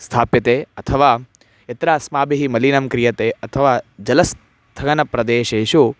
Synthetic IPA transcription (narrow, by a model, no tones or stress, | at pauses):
st̪ʰaːpjɐt̪eːɐt̪ʰɐʋaː | et̪ɾaːsmaːbiɦimɐlinɐmkɾijɐt̪eːɐt̪ʰɐʋaːd͡ʒɐlɐs | t̪ʰɐɡɐnɐpɾɐd̪eːʃeːʃu